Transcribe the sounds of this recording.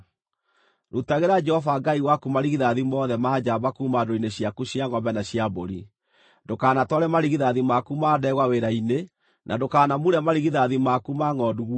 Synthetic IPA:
ɾutaɣeɾad͡ʒɛhɔvaɡaiɣwakumaɾiɣiðaðimɔðɛmaːd͡ʑabakuːmadoineɕjakuɕjaŋɔmbɛnaɕjaboɾi | dokaːnatɔɾɛmaɾiɣiðaðimakumaːdɛɣwaweɾaine | nʔadokaːnamuɾɛmaɾiɣiðaðimakumaŋɔduɣw

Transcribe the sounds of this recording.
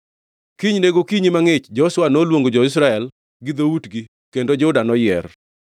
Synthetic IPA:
kiɲneɡokiɲimaŋɪt͡ʃd͡ʒɔswanolwoŋɡod͡ʒɔɪs̬ɾaɛl | ɡɪd̪outɡi | kendod͡ʒɔʊdanɔjɛr

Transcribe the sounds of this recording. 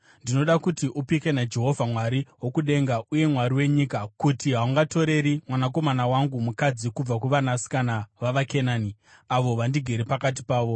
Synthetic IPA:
ndino̞ɗakutiʔupike̞nad͡ʒe̞ɦo̞vʱamwaɾiwo̞kuɗe̞ŋɡaʔuje̞mwaɾiwe̞ɲikakutiɦauŋɡato̞ɾe̞ɾimwanako̞manawaŋɡumukad͡zikub͡vakuʋanasi̥kanaʋaʋakenaːni | aʋo̞ʋandiɡʱeɾepakat̬i̥paːʋo̞

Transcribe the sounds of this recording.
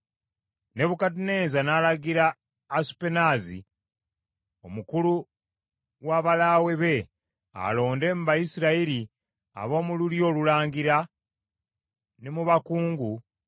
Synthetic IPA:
ne̞βukat̬ine̞ːnzanaːlaɡiɾaː | su̥pe̞nazḭ | o̞mukulu | ɣwaβalawe̞βe̞ | a̰lo̞ːnde̞muβajisiɾaiɾi | a̰βo̞ːmululjo̞ːlulaːŋɡiɾa | nemuβakuːŋɡu

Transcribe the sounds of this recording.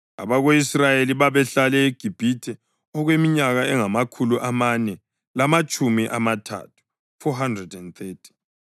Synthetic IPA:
a̰βaɣoisrajeliβaβɛɬalɛeɡ̥ʱib̥ʱitʰɛ | ɔɣwemiɲaɣaɛŋamakʰuluʔamanɛ | lamat͡ʃʼumiʔamatʰa̰tʰu̥ | fɔɦandrɛdɛndθetʰi̥

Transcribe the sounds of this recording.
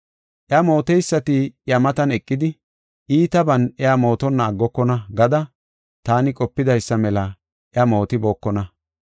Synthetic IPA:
ʔjɐmo̞ːt̪ɛjsːɐt̪ɪjɐmɐt̪ɐnɛkʼːɪd̪ɪ | iːt̪ɐbɐnɛamo̞ːt̪ɔnːɐːɡːɔkːɔnɐɡɐd̪ɐ | t̪aːnɪkʼɔpːɪd̪ɐjsːɐmɛlɐ | ʔɪɐmo̞ːt̪ɪbo̞ːkːɔnɐ

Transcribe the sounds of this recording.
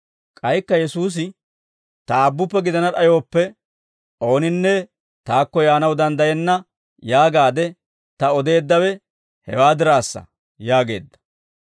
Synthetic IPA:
kʼɐjkːɐjɛsuːs̬ɪ | t̪ɐːbːʊpːɛɡɪd̪ɐnɐᶑɐjo̞ːpːɛ | o̞ːnɪnːɛ | t̪aːkːɔjaːnɐwd̪ɐnd̪ɐjɛnːɐ | jaːɡaːd̪ɛ | t̪ɐɔd̪e̞ːd̪ːɐwɛ | hɛ̰waːd̪ɪɾaːsːɐ̰ | jaːɡe̞̰ːd̪ːɐ̥

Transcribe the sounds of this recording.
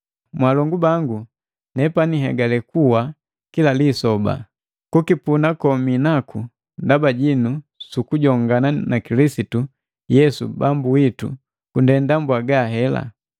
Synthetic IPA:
mwalɔŋɡubaŋɡu | nɛpaniɦɛ̰ɡalɛkuwa | kilalisɔba̰ | kukipunakɔminakʰu | ndabaɟinusukuɟɔŋɡananakilisitu | jɛsṵbambuwitṵ | kundɛndambwaɡaɦɛla̰

